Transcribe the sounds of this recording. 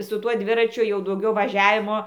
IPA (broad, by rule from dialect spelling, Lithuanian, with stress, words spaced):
sʊ ˈtuɔ ˈdʲʋʲɪrɐt͡ʃʲʊ jɛʊ dɐʊˈɡʲɛʊ ʋɐˈʒʲæːʋʲɪmoː